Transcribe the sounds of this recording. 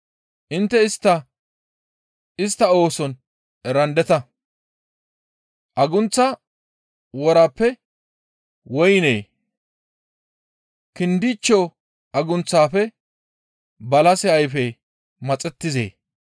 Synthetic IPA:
ʔɪnt̪ːɛɪst̪ːɐ | ɪst̪ːɐo̞ːsɔn | ɛɾɐnd̪ɛt̪ɐ | ʔɐɡʊnt͡sːa | wɔɾɐpːɛ | wɔjneː | kɪnd̪ɪt͡ʃːoː | ʔɐɡʊnt͡sːaːfɛ | bɐlɐsɪɐjfɛ | mɐt͡sʼɛt̪ːɪzḛː

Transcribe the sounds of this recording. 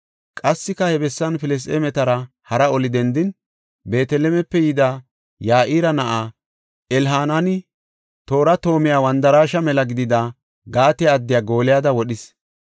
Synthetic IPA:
kʼɐsːɪkɐhɛbɛsːɐnfɪlɛs̬t̪eːmɛt̪ɐɾɐ | hɐɾɐɔlɪd̪ɛnd̪ɪn | be̞ːt̪ɛlɛmɛpːɛjɪd̪a | jaːʔiːɾɐnɐʔaː | ɛlɦaːnanɪ | t̪o̞ːɾɐt̪o̞ːmɪjaːwɐnd̪ɐɾaːʃɐmɛlɐɡɪd̪ɪd̪a | ɡaːt̪ɛːd̪ːɪjaːɡo̞ːlɪjaːd̪ɐwɔɗɪs

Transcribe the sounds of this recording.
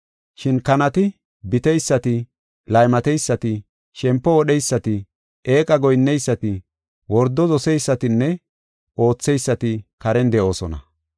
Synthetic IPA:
ʃɪnkɐnɐt̪ɪ | bɪt̪ɛjsːɐt̪ɪ | lɐjmɐt̪ɛjsːɐt̪ɪ | ʃɛmpːɔwɔɗɛjsːɐt̪ɪ | eːkʼɐɡɔjnːɛjsːɐt̪ɪ | wɔɾd̪ɔzɔsɛjsːɐt̪ɪnːɛ | ʔo̞ːt͡sːɛjsːɐt̪ɪkɐɾɛnd̪ɛʔo̞ːsɔnɐ̰

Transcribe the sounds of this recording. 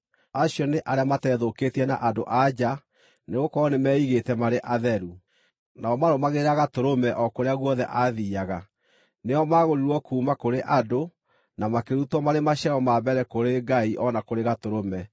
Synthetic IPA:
aɕjɔneʔaɾeamatɛːðoketiɛna̰ʔadoʔad͡ʑa | neɣokɔnemɛːiɣetɛmaɾeʔaðɛɾu | naɔmaɾomaɣeɾaɣatoɾomɛʔɔkoɾeaɣwɔðɛʔaðiaɣa | neɔmaːɣoɾiɾwɔkuːmakoɾeʔado | namakeɾutwɔmaɾemaɕaɔmabɛɾɛkoɾeɡaiʔɔnakoɾeɣatoɾomɛ

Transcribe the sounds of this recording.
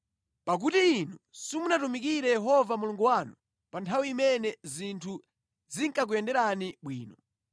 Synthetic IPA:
pak̬utiːnusimunatumikiɾɛjɛɦɔvamuluŋɡuwanu | pantʰawiːmɛnɛzintʰu | ziŋkak̬ujɛndɛɾaniɓwiːnɔ

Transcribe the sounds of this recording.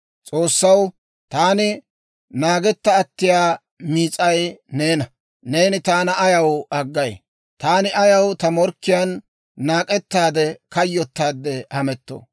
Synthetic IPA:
t͡sʼoːsːɐw | t̪aːnɪ | naːɡɛt̪ːɐːt̪ːɪjaː | miːt͡sʼɐjne̞ːnɐ | ne̞ːnɪt̪aːnɐɐjɐwɐɡːɐj | t̪aːnɪʔɐjɐwt̪ɐmɔɾkːɪjɐnː | aːkʼɛt̪ːaːd̪ɛkɐjːɔt̪ːaːd̪ːɛhɐmɛt̪ːo̰ː

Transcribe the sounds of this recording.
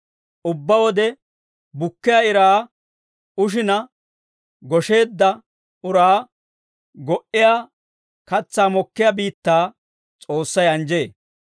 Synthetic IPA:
ʔʊbːɐwɔd̪ɛ | bʊkːɪjaɪɾaː | ʊʃ̬ɪnɐ | ɡɔʃe̞ːd̪ːɐ | ʊɾaː | ɡɔʔɪjaː | kɐt͡sːaːmɔkːɪjabiːt̪ːaː | t͡sʼo̞ːsːɐjɐnd͡ʒe̞ː

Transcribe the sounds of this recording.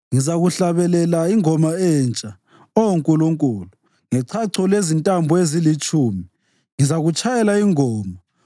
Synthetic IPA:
ŋizaɣuɬaβɛlɛlaiŋɔmaɛnt͡ʃʼa | ɔoŋkʼuluŋkʼulu | ŋɛǀʰaǀʰɔlezintʼambʱuezilit͡ʃʼuːmi | ŋizaɣut͡ʃʰʼajɛlaiŋɔːma

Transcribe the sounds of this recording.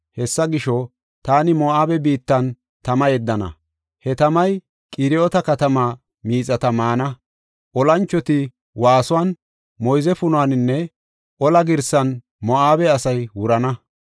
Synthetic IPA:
hɛsːɐɡɪʃɔ | t̪aːnɪmɔʔaːbɛbiːt̪ːɐn | t̪ɐmɐjɛd̪ːɐnɐ̰ | hɛt̪ɐmɐj | kʼɪɾɪɔt̪ɐkɐt̪ɐmaː | miːt͡sʼːɐt̪ɐmaːnɐ | ʔɔlɐnt͡ʃːɔt̪ɪ | waːsʊwaːn | mɔjzɛfʊnʊanɪnːɛ | ʔɔlɐɡɪɾsɐn | mɔaːbɛɐsɐjwʊɾɐnɐ

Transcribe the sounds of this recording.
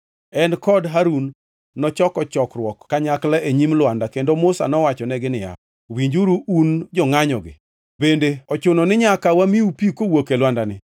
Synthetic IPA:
ɛnkɔdɦaɾunː | ɔt͡ʃɔkɔt͡ʃɔkɾwɔkːaɲaklaʔeɲimlwandakendomʊsa̰nɔwat͡ʃɔnɛɡɪnɪja̰ | wiɲd͡ʒuɾuund͡ʒɔŋaɲɔɡɪ̰ | bendeɔt͡ʃʊnɔnɪɲakawamiupikowokelwandanɪ

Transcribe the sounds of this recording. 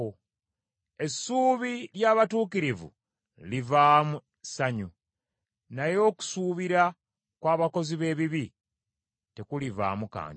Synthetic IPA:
o | e̞sːuːβiɾjaːβatuːkiɾivṵ | livaːmu | saɲu | najo̞ːku̥suːβiɾa | kwaːβako̞ziβe̞ːβiβi | te̞kuliva̰ːmuka̰ːn

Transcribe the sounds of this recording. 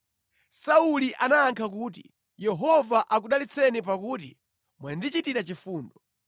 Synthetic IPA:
sauliʔanaːŋkʰak̬uːt̬i | jɛɦɔvaʔak̬uɗalit͡sʰɛnip̬akuːtḭ | mwandit͡ʃitiɾat͡ʃifuːndɔ

